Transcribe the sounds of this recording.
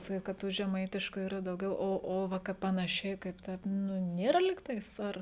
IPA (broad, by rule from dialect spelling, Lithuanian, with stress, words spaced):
sɐˈkʲiːt kɐt ˈtuː ʒʲɛˈmɐɪtʲɪʃkʊ ˈiːrɐ dɐʊˈɡʲɛʊ ˈoː oː ˈʋɐ ˈkɐɪp pɐnɐˈʃʲɛɪ kɐɪp ˈtɐɪp ˈnʊ ˈnʲeːrɐ lʲɪk ˈtɐɪs ˈɐr